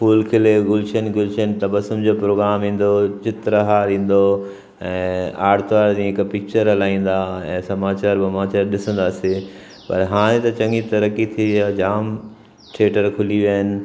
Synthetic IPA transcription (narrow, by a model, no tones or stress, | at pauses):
fuːlkʰɪleɡʊlʃənɡʊlʃənt̪ɐbəsʊmd͡ʑoːpɾoːɡɾaːmɦĩːn̆d̪ot͡ɕɪt̪ɾəɦaːɾĩːn̆d̪o | ɛ̃ːaːɽt̪ʋaːɾd͡ʑĩːɦɪkpɪk̚t͡ɕəɾɦɐlaːĩːn̆d̪aɛ̰̃ːsɐmaːt͡ɕaːɾbɐmaːt͡ɕaːɾɗɪsə̃nd̪aːse | pɐ̰ɾɦaːɽ̃ẽt̪ɐt͡ɕɐ̃ŋɡit̪ɐɾəkit̪ʰiɐd͡ʑaːm | ʈʰeːʈəɾkʰʊliʋiaːɦɪnɪ̆